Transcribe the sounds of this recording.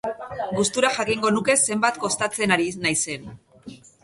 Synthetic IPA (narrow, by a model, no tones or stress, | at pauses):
ɡust̪uɾaʝakiŋɡo̞nuke̞se̞mbat̪ko̞st̪at͡se̞naɾinajse̞n